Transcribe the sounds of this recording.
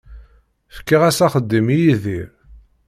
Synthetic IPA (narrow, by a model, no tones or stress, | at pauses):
fə̥kːiʁæsæχəd̪ːimijiðiɾ